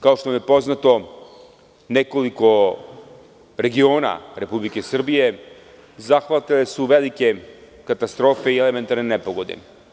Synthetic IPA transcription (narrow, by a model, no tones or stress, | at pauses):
kaoʃt̪omjepo̞znat̪o̞ | nekoliko̞ | ɾe̞ɡioːna̰ɾe̞publikesr̩bije̞ | zaxʋat̪ilesuʋelike̞ | kat̪ast̪ɾo̞ːfeieleme̞nt̪aɾnenepoɡo̞d̪ḛ